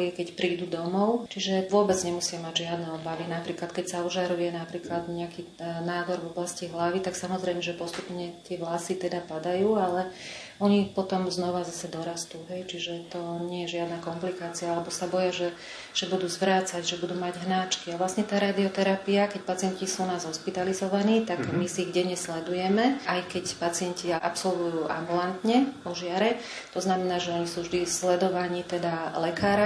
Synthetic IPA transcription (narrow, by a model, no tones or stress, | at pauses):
ɛkɛcpɾiːd̪uːd̪ɔmɔʊt͡ʃiʒɛʋʊɔbɛd͡zɲɛmusɪamaɟʒɪad̪nɛɔbaʋinapɾiːklat̪kɛcsauʒaɾujɛnapɾiːklad̪ɲɛaki | naːd̪ɔɾʋɔblasciɦlaʋit̪aksamɔzɾɛjmɛʒɛpɔst̪upɲɛt̪ɪɛʋlasit̪ɛd̪apad̪ajuːalɛ | ɔɲipɔt̪ɔmznɔʋazasɛd̪ɔɾast̪uːɦɛjt͡ʃiʒɛt̪ɔɲɛjɛʒɪad̪nakɔmplikaːt͡siaalɛbɔsabɔjaʒɛ | ʒ̥ɛbud̪uːzʋɾaːt͡saɟʒɛbud̪uːmaɟɦnaːt͡ʃkiaʋlasɲɛt̪aːɾaːd̪iɔt̪ɛɾapiakɛc̚pat͡sɪɛncisuːnaːzɦɔʃpit̪alizɔʋaniːt̪aɡmisiɣɟɛɲɛslɛd̪ujɛmɛajkɛcpat͡sɪɛnciaʔa̰psɔlʋujuːʔa̰mbulant̪ɲɛɔʒɪaɾɛ | t̪ɔznamɛnaːʒɛɔɲisuːvʒd̪islɛd̪ɔʋaɲit̪ɛd̪alɛkaːɾa